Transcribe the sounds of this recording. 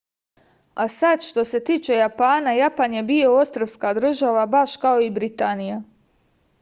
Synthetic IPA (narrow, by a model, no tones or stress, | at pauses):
asad̪ʃt̪o̞se̞t̪iːt͡ʃe̞japaːnajapanje̞bio̞ost̪ɾoʋskad̪ɾ̩ʒaʋabaʃkao̞ibɾit̪anija